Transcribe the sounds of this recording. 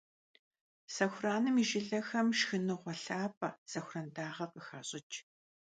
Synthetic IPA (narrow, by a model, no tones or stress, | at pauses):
sɐxʷraːnɨmiʒɪɮɐxɐmʃxɨnɨʁʷɔɬaːpʼɐsɐxʷrɐndaːʁɐqəxaːɕʼɪt͡ʃʰʼ